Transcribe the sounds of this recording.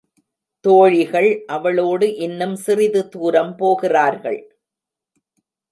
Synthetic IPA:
t̪oːɻɪɣɐɭʔɐʋɐɭoːɽɯʔɪnːɯmsɪrɪðɯt̪uːɾɐmpoːɣɪraːɾɣɐ̰ɭ

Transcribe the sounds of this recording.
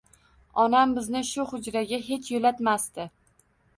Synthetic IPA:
ɒnambɪznɪʃʊhʊd͡ʒɾaɡʲaɦe̞t͡ʃʰjolat̪mast̪ɪ

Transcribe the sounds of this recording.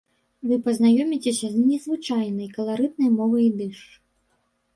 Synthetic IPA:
vɨpɐznajɔmʲit͡sʲesʲɐznʲɛzvɨt͡ʂajnɐjkɐlˠaɾɨd̪̚nɐjmɔvɐjd̪ɨʂ

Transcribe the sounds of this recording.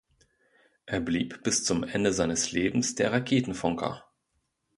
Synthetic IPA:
ʔeːɐbliːpb̥ɪst͡sʊmʔɛndəzaɪnəsleːbm̩sd̥eːɐʁakʰeːtn̩fɔŋkʰɐ̰

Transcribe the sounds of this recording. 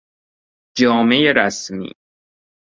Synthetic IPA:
d͡ʒɒːme̞jeɾæsmḭː

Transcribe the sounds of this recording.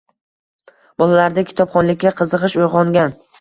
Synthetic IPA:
b̥ɒlˠalaɾd̪akʲʰɪ̥t̪ʰɒpχɒnlɪkʲːaqʰɨzɨqɨʃojʁɒŋɡʲan

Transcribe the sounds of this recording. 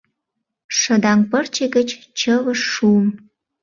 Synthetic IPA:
ʃə̆d̪ɑŋpərt͡ɕeɡə̆t͡ɕ | t͡ɕəβəʃːuəm

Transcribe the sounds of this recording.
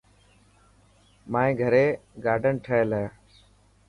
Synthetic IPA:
mãːẽːɡʱəɾeːɡaːɖʱənʈʰəeːlaːjaː

